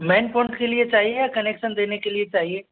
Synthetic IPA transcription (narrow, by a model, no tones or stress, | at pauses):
mɛ̃ːnpɔ̃ːɪɳʈkeliet͡ʃaːɦiejakɐneːkʃənd̪eːnekeliet͡ʃaːɦieː